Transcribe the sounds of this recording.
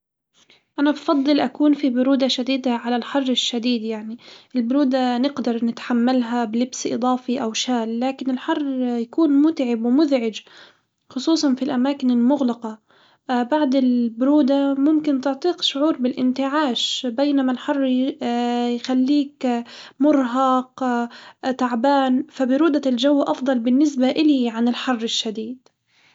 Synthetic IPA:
ʔanabfɑd̪ˤːɨlʔakuːnfibʊɾuːd̪aʃad̪iːd̪aʕalalħɑrˤːɪʃːad̪iːd̪jaʕniʔɪlbʊɾuːd̪anɪɡd̪ɑɾˤnɪt̪ħamːalɦabɪlɪbsʔɨ̰d̪ˤɑːfiʔawʃaːlːaːkɪnɪlħɑrˤːjakuːnmʊt̪ʕɪbwmʊðʕɪd͡ʒ | xʊsˤuːsˤɑnfilʔamaːkɪnɪlmʊɣlɑqɑ | baʕd̪ɪlbʊɾuːd̪amʊmkɪnt̪ɪʕt̪ˤiːqʃʊʕuːɾbɪlʔɪnt̪ɪʕaːʃbejnamalħɑrˤː | jxalːiːkmʊɾˤɦɑq | t̪aʕbaːnfabɪɾuːd̪ald͡ʒawːʔɑfd̪ˤɑlbɪnːɪsbaʔɪliʕanɪlħɑrˤːɪʃːad̪iːd̪̥

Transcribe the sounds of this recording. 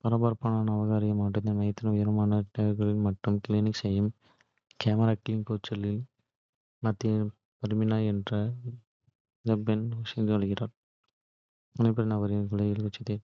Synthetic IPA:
pɐɾɐbɐɾpaːnaːnɐːʋɐɣaːɾɪɣɐmaːʈːɯnːɐnmɐjɐt̪ːɪnɐʊjɐɾɐmaːnɐʈɐjɐɾɣɐɭɪlmɐʈːɯmkɪliːnɪksɛjːɯm | keːmɐɾaːʈːɪnkoːt͡ʃːɐlɪl | mɐt̪ːɪjɐ | pɐɾɯmɪnaːɛndrɐ | d͡ʒɐbɐnʋɐsɐnd̪ɯʋɐɻɯɣɪraːɾ | mʊnɐɪpːɐɽɐnɐɣɐɾɪɐɣɐɭɐɪlkʊt͡ʃːɐt̪eː

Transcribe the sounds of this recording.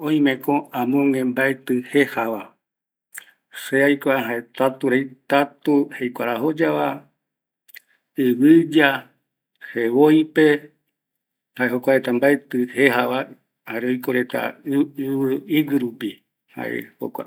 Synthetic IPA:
õĩmẽkõ̞ãmõŋẽ̞mbaet̪ɨhe̞haʋa | seajkʷaɦaet̪at̪uɾejt̪at̪uhejkʷaɾaɦo̞d͡ʒaʋa | ɨβɨd͡ʒa | heβojpe | haeɦokʷaet̪ambaet̪ɨhehaʋa | haɾeojkoɾe̞t̪a̰ɨβɨiwɨɾupi | ha̰ʔḛho̰kʷa̰

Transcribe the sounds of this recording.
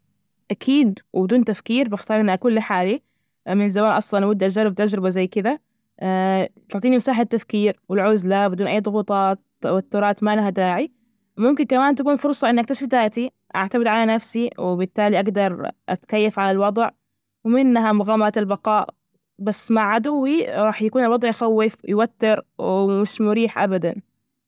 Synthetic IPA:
ʔakʰiːd̪wbɪd̪uːnt̪afkiːɾbɪxt̪ɑːɾˤʔɪnːʔakuːnliħaːli | mɪnzamaːnʔɑsˤlɑnʔawad̪ːʔad͡ʒaˤːɪb̚t̪ad͡ʒɾɪbazajːkɪd̪a | t̪ʊʕt̪iːnimasaːħɪt̪ːafkiːɾwɪlʕʊzlabɪd̪uːnʔajːd̪ˤʊɣuːt̪ˤɑːt̪ː | awat̪ːʊɾˤɑːt̪malaɦad̪aːʕi | mʊmkɪnkamaːnt̪akuːnfʊɾˤsˤɑʔɪnːʔak̚t̪aʃɪfd̪aːʔt̪i | ʔa̰ʕt̪abɪd̪ʕalanafsiwɪbɪt̪ːaːliʔaɡd̪ɑɾˤʔa̰t̪kajːafʕalalwɑd̪ˤʕ | wɪmɪnːɦamʊɣaːmaɾt̪albɑqɑːʔ | basːmaʕːad̪ʊwːiɾˤɑːħjakuːnɪlwɑd̪ˤʕjʔxawːɪfjwat̪ːɪɾwɪmɪʃmʊɾiːħʔabad̪a̰n

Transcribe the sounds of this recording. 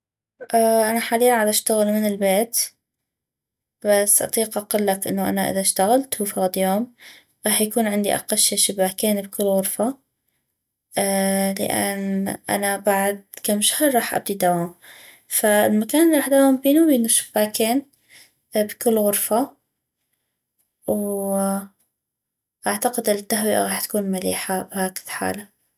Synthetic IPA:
ʔaʔanaħaːliːaʕad̪ʔaʃt̪aɣɪlmɪnɪlbeːt̪ | basːʔɑ̰t̪ˤiːqʔɑqʊlːakʔɪ̰nːʊʔa̰naʔɪ̰ðaʃt̪aɣalt̪hufaɣd̪joːm | ɾˤɑːħjakuːnʕɪnd̪ḭʔa̰qalʃeʃɪbːaːkeːnbkɪlːɣʊɾfa | lɪ̰ʔa̰nʔa̰nabaʕd̪̚kamʃḁhɾˤːɑːħʔa̰b̚d̪id̪awaːm | faɪlmakaːnʔɪliɾɑːħd̪awaːmbiːnubiːnuʃɪ̥b̥ːaːkeːn | bkɪlːɣʊɾfa | w | ʔaʕt̪aqɪd̪ʔɪnːat̪ːaɦwɪʔa̰ɣɑːħt̪ḁkuːnmalḭːħabhaːkɪ̥ðħa̰ːla

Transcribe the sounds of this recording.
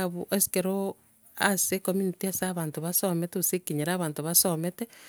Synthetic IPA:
βuʔesi̥keɾo | asekominitiasaβaːntoβasometeusekiɲeɾaβaːntoβasomete

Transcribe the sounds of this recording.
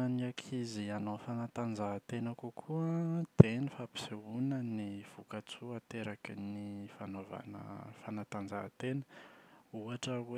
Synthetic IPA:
aniakʰizianofanat̪and͡zat̪enəkukʰuət̪enifapi̥seunəniv̥ukat͡suat̪eɾakinifanova̰nə̰fanat̪and͡zat̪enə̥ | uaʈ͡ʂəwe

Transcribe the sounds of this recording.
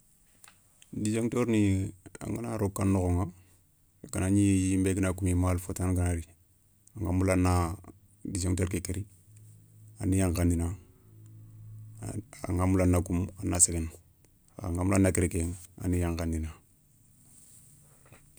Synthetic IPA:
did͡ʒeŋtoɾnia̰ŋɡanaɾokːanːoɣoŋa | kanaɲijjimbeɡinakumimalfotanɡanaɾi | aŋɡamulanːa | did͡ʒeŋtoɾkekeɾi | anːijaŋkandina | aŋamulanːakumanːaseɡen | aŋɡamulanakeɾikeŋa̰nijaŋkandina

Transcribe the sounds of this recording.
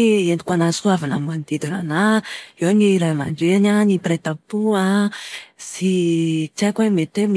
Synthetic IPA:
eni̥kanasuavanamand̪̥id̪inanaewaɲiɾama̰nd͡ʒeaɲanipɾet̪apua | sit͡sakwamet̪em

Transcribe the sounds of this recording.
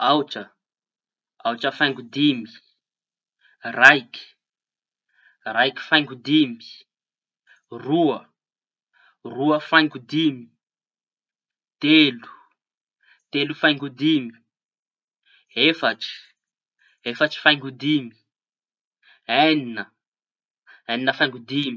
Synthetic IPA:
awʈ͡ʂə | awʈ͡ʂəfajŋɡud̪imi̥ | rajki̥ | rajki̥fajŋɡud̪imi̥ | ruə | ruəfajŋɡud̪imi̥ | t̪elu̥ | t̪elufajŋɡud̪imi̥ | efaʈ͡ʂi̥ | efəʈ͡ʂi̥fajŋɡud̪imi̥ | eninə | aninəfajŋɡud̪imi

